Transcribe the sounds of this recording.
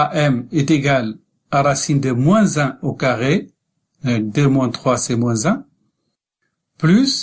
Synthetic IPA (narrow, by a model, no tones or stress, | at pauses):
aʔɛmɛt̪eɡal | aʁasind̪əmwɛ̃zɛ̃okaʁe | ɛd̪ømwɛ̃t̪χwasɛmwɛ̃zɛ̃ | plys